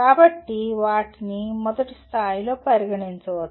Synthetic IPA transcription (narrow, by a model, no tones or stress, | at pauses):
aːbɐʈːiʋaːʈinimɔd̪ɐʈist̪ʰaːjilo̞ːpɐɾiɡɐɳint͡ʃɐʋɐt̪ː